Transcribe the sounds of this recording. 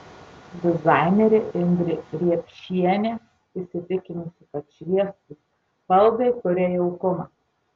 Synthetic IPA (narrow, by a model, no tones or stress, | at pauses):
d̪ʲɪzɑˑɪnʲɛɾʲɪɪnʲd̪ʲɾʲɪɾʲiɛpʲʃʲiɛnʲe | ɪsʲɪt̪ʲɪkʲɪnʊsʲɪkɐt̪ʃʲʋʲiɛst̪ʊ | pɐlˠd̪ɐɪk̪ʊɾʲeːjɛʊkʊmɑː